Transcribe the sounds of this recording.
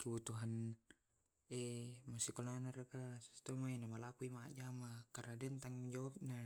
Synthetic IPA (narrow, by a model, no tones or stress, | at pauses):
kibut̪uɦan | emasikolanarakasu̥st̪ɔmainamalakuimad͡ʒamakaradɛnt̪aŋd͡ʒawap̚na